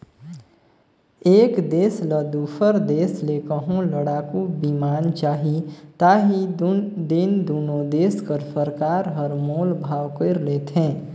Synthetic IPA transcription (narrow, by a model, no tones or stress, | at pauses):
eːkd̪eːsləd̪upʰəɾd̪eːsleːkəɦõləɽaːkubimaːnt͡ʃaːɦit̪aːɦid̪ɪnd̪uːnoːd̪eːskəɾsəɾkaːɾɦəɾmoːlbʱaːwkəɾleːt̪ɦɛ̃ː